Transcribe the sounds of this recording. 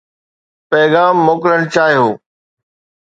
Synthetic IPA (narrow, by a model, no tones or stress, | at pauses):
pɛːɣaːmːoːkɾəɽ̃t͡ɕaːɦijoː